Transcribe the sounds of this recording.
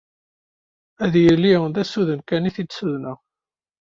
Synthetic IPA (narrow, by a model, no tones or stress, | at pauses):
æðjəlːinðæsuðənkæniθid̪suðnəʁ